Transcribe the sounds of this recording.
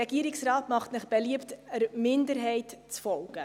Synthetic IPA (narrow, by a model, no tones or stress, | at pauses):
ɛɡ̥iəɾiksɾɑːtmɑχtnɪχb̥eliəptəɾmɪndəɾɦɛɪtt͡sfɔlɡ̥ə